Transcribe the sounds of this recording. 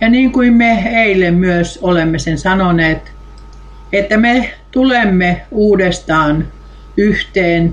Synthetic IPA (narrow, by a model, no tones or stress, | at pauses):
jɑniːŋkuimmeeilːemmyøsolemːesensɑnoneːt̪ | et̪ːæmet̪ulemːeuːdest̪ɑːn | yht̪eːn